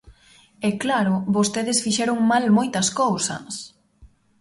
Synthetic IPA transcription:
ɛklaɾʊβost̪eðesfiʃɛɾʊŋmalmojt̪ɐskowsɐ̰s

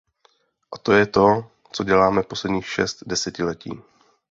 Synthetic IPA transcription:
ʔat̪o̞jɛt̪o̞ | t͡so̞ɟɛlaːmɛfpo̞slɛdɲiːxʃɛ̰st̪dɛsɛcɪlɛcḭː

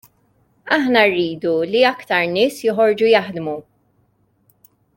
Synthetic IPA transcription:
ɐħnɐrːiːd̪uliɐkt̪ɐɾnɪːsjɪɦɔɾd͡ʒujɐħd̪mu

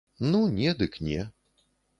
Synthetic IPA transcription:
nunʲɛd̪ɨknʲɛ

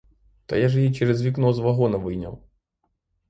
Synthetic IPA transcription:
t̪ɔ̰jaʐɛjit͡ʃɛɾɛzvʲiknɔzʋɐɦɔnɐvɨjnʲɐ̰w̪ˠ

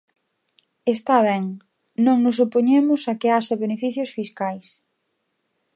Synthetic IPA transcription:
est̪aβ̞ɛŋ | nõŋnʊs̬opoɲemʊsakeaʃɐβenefiθjʊsfiskajs

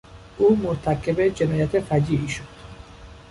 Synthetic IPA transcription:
ʔuːmoɾt̪ʰækʰebed͡ʒenɒːjæt̪ʰefæd͡ʒiːʔiːʃod̪̥

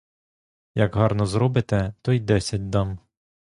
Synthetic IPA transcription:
jɐɡɦɑrnɔzɾɔbɪt̪ɛt̪ɔjd̪ɛsʲɐt̚ʲd̪ɑm

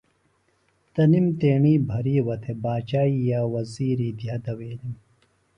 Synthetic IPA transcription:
t̪ɐnimt̪eːɳiːbʱɐɾiːwɐt̪ʰebaːt͡ɕaːijaːwɐziːɾiːd̪jad̪ɐweːlim

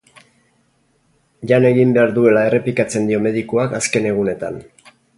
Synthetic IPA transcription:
ʎane̞ɣimbe̞aɾðue̞lae̞re̞plikat͡se̞nd̪io̞me̞ðikoakaske̞ne̞ɣ̞une̞t̪a̰n

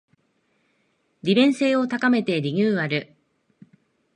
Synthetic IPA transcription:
ɾʲibẽ̞ɰ̃se̞ːo̞t̪akame̞t̪e̞ɾʲiɲʲɨːβaɾɯ̟

